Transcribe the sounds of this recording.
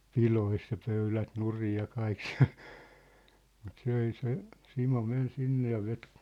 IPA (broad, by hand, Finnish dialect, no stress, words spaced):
pilois jɑ pøylæt nurij jɑ kɑik si̥æ̥̝l̥ mut s ei se simo men sinːe jɑ ʋet